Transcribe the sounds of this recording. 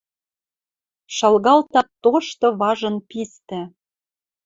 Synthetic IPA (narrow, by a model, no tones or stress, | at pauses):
ʃɑlɣɑlt̪ɑt̪oʃt̪ɤ̆βɑʒɤ̆npist̪ɘ̆